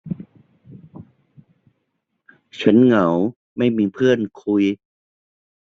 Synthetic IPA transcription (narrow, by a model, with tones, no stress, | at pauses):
t͡ɕʰa˦˥nŋa˩˦w | ma˥˩jmiː˧pʰɯ˥˩ənkʰu˧j